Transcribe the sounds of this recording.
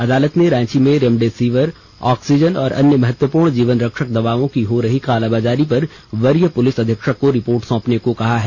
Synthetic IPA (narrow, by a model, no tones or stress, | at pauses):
ɐd̪aːlət̪neɾãːt͡ʃimẽɾemɖeːsiːʋəɾ | ɔːksid͡ʒənɔːɾʔɐ̰njəmɐɦət̪wəpuːɾɳd͡ʒiːʋənɾɐkʃək̚d̪ɐʋaːʋõkiɦoɾɐɦikaːlaːbaːd͡ʒaːɾipɐɾ | ʋɐɾjəpʊlɪsɐd̪ʱjəkʃəkːoɾɪpoːɾʈsɔ̃ːpnekokɐɦaɦɛː